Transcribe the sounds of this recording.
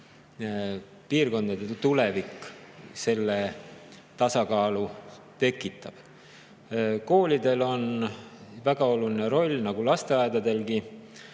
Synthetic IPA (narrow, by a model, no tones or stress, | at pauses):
piːrko̞nd̪̥ɑd̪et̪ule̞vikːse̞lːe | t̪ɑsɑkɑːlu | t̪e̞kːˑit̪ːˑɑb̥ | ko̞ːlʲid̪e̞lo̞n | væɡ̥ɑo̞lulineɾo̞lʲːnɑɡ̥ulɑst̪e̞ɑed̪ɑd̪e̞lɡi